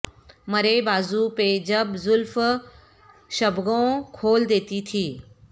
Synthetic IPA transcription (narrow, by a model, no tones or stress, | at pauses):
mɐɾebaːzuped͡ʑɐbzʊlf | ʃɐbʱɡõkʰoːld̪eːt̪it̪ʰiː